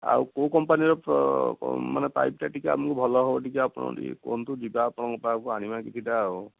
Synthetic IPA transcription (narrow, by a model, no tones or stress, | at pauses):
a̰ukowkɔmpaniɔ̰ | ma̰nɛpa̰jp̚taʈikɛa̰pkubʱɔlɔɦɔbɔʈʰikaapuna̰dḭko̰nt̪ud͡ʒibaːpɔnakɔpakuanimakit̪ʰitaːu